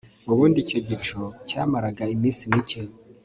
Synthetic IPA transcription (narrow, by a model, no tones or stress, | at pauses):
uβuːndiceɟit͡ʃocaːmaɾaɡaimiːnsinicej